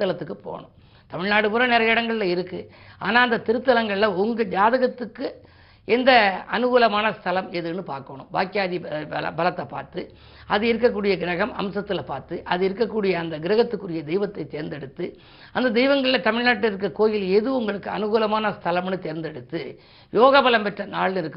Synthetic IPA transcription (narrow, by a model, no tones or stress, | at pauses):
t̪ːɐlɐt̪ːɯkːɯpo̰ːɳɯ̰m | t̪ɐmɪɻnaːɽɯpɯɾɐnɛɾɐjɪɽɐŋɡɐɭɪlɐɪɾɯkːɯ | a̰ːnaːɐnd̪ɐt̪ɪɾɯt̪ːɐlɐŋɡɐɭɪlɐʊŋɡɐd͡ʒaːðɐɣɐt̪ːɯkːɯ | ɛnd̪ɐɐnɯɣuːlɐmaːnɐst̪ʰɐlɐmɛðɯnɯpa̰ːɾkɐɐɳɯ̰mba̰ːkɪjaːðiɐɐ̰bɐlɐt̪ːɐpːa̰ːɾt̪ɯ | ɐðɯɪɾɯk̬ːɐkːuːɽɪjɐɡɪɾɐɣɐmɐ̰msɐt̪ːɪlɐpaːɾt̪ɯʔɐðɯɪɾɯkːɐkːuːɽɪjɐːnd̪ɐɡɪɾɐɣɐt̪ːɯkːɯɾɪjɐd̪ɛɪʋɐt̪ːɐɪt̪eːɾnd̪ɛɽɯt̪ːɯ | ɐnd̪ɐd̪ɛɪʋɐŋɡɐɭɪlɐt̪ɐmɪɻnaːʈːɪɾɯk̬ːɐkoːjɪlɛðɯʊŋɡɐɭɯkːɯɐ̰nɯɣuːlɐmaːnɐst̪ʰɐlɐmnɯt̪eːɾnd̪ɛɽɯt̪ːɯ | joːɣɐbɐlɐmpɛʈrɐnaːɭɪnɪɾɯkːɯ